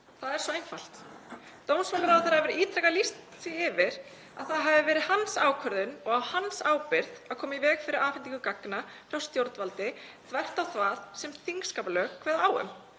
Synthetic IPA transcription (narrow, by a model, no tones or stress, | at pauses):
θaðɛɾsɔejnfal̥t̪ | t̪oːwnsmapaɾawθaɾhaðɪvɛɾiːt̪ʰɾɛkalist̪ | siɪvɪɾ | a̰ðθaðɦavɪvɛːɾɪðhansaːwkʰœɾðʏnɔɣahansaːwpɪɾðaðkʰɔːmaivɛːɣfɪɾɪɾaːfnt̪iŋkʏkakna | fɾawst̪jowɾt̪valt̪ɪθvɛr̥t̪awθvaːðsɛmθiŋkskaːpalœːkʰv̥ɛːðaaːwʏ̰m